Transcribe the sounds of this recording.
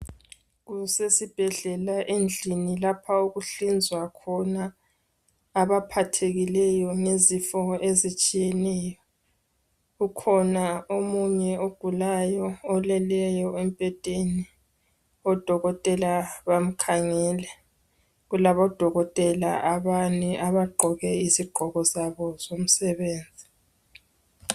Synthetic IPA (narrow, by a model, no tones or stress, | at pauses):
ɣusesib̥ʱɛɮɛlaʔend͡ɮʱinilapʰauɣuɬind͡zʱwakʰɔna | βapʰatʰeɣilɛjɔnezifɔʔezit͡ʃʼijɛnɛjɔ | ɣukʰɔnaomuɲɛoɡ̥ʱulajɔːlɛlɛjɔempʼɛtʼeni | ɔd̥ʱɔɣɔtʼɛlaβam̩kʰaŋɛlɛ | ɣulaβɔd̥ʱɔɣɔtʼɛla̰ʔaβaniaβaɡ͡ǃʱɔɣɛiziɡ͡ǃʱɔɣɔzaβɔzom̩sɛβeːnd͡zʱi